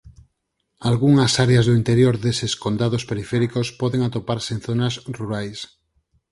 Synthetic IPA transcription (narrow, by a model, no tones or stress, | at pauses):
alɣuŋasaɾeazðoint̪eɾjoɾðeseskond̪aðospeɾifɛɾikospɔðeŋat̪opaɾseenθonasruɾajs